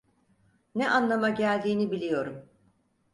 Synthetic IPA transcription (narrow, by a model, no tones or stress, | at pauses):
nɛʔanlˠamaɟælʲd̪iːnibilʲijo̞ɾum